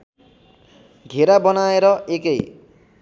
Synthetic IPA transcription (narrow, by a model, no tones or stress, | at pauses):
ɡʱeɾabʌnaeɾʌekej